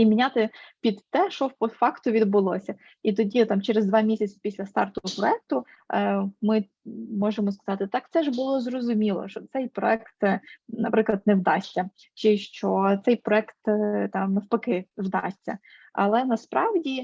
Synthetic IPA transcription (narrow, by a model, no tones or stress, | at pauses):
imʲinʲat̪ɪpʲid̪ːɛʃɔpɔfɑkt̪ʊʋʲid̪̚bʊlˠɔsʲɐ | it̪ɔdʲit̪ɑmt͡ʃeɾezd̪ʋɑmʲisʲɐt͡sʲɪ̥pʲisʲlʲɐst̪ɑ̰rt̪ʊɔpɾɔɛk̚t̪ʊ | mɪ | mɔʒemɔskɐ̥zɑt̪ɪt̪ɑk̚t̪sɛʒbʊlˠɔzrɔzʊmʲilˠɔ̰ʃt͡ʃɔt̪sɛjpɾɔ̰ɛkt̪nɐpɾɪklˠɐd̪̚nɛwd̪ɑsʲtʲːɐ | t͡ʃɪʃt͡ʃɔt̪sɛjpɾɔɛkt̪t̪ɑmnɐwpɐkɪwd̪ɑ̰sʲtʲɐ̰ | ɐ̰lˠɛnɐspɾɑwdʲi